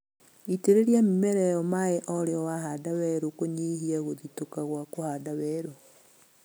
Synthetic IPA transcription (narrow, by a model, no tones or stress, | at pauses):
iteɾeɾjamimɛɾɛjɔmaeʔɔɾeɔwaɦadawɛɾokoɲihiaɣoðitokaɣwakohadawɛɾo